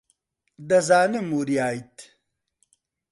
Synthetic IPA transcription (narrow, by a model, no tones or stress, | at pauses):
d̪ɐzaːnemuɾiaːjt̪